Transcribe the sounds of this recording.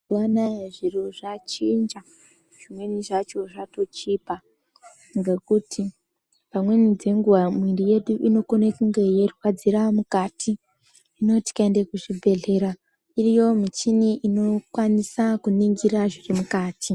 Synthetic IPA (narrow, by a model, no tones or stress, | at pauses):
wanaʐiruʐat͡ʃind͡ʒa | ʐ̥imwe̞niʐat͡ʃo̞ʐato̞t͡ʃiːpa | ŋɡe̞kutʰi | pamwe̞nid͡ze̞ŋɡuʋamwindije̞ɗuʔino̞konekuŋɡe̞je̞rwad͡ziɾamukaːtʰi | ino̞ti̥kaendekuʐibʱe̞ɮe̞ɾa | irijo̞mit͡ʃiniʔino̞kwanisakuniŋɡiɾaʐirimukaːtʰi